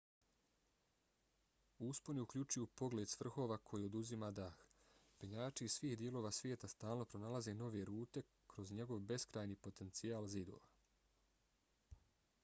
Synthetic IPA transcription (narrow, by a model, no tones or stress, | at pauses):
uspo̞niukʎʲut͡ʃujupo̞ɡle̞ːd̪sʋr̩xo̞ːʋakʰo̞jio̞d̪uzimad̪aːxpeɲaːt͡ʃiiːzsʋiːhd̪je̞lo̞ːʋaːsʋjeːt̪ast̪aːlˠno̞pɾo̞nalaze̞no̞ʋe̞ɾuːt̪e̞ | kɾo̞zɲe̞ɡo̞ʋbe̞skɾaːjniːpo̞t̪e̞nt̪sijaːlzid̪o̞̰ːʋa